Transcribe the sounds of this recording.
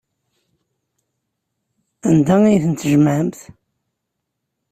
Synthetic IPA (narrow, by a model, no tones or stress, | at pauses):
ænd̪æijθənt̪ʒməʕəmθ